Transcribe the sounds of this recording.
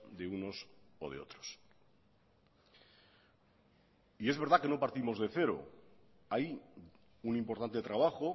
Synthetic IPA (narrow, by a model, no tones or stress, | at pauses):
d̪e̞uno̞so̰ð̞eo̞̰t̪ɾos | ie̞zβe̞ɾð̞ake̞no̞paɾt̪imo̞zðe̞θe̞ɾo̞̰ | aj | unimpo̞ɾt̪ant̪e̞t̪ɾaβ̞aχo̞